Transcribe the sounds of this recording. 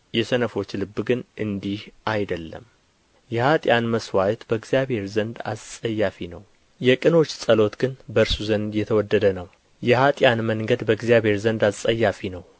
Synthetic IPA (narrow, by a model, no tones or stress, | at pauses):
jɛsənəfo̞t͡ʃːlɨbːɡɨnʔɨnd̪ihʔajd̪əlːə̰m | jɛhat̪ʼjanməswajɛt̪bəɨɡzjaβhe̞ɾzənd̪a̰ssʼəjːafinəw | jɛkʼɨno̞t͡ʃːsʼəlo̞t̪ɡɨnbəɨɾsuzənd̪jɛt̪ʰəwɔd̪ːəd̪ənəw | jɛhat̪ʼjanməŋɡəd̪bəɡzijaβhe̞ɾzənd̪asʼəjːafinəw